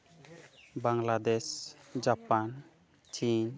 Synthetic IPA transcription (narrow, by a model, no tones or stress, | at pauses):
baŋlad̪esd͡ʒapan | t͡ʃin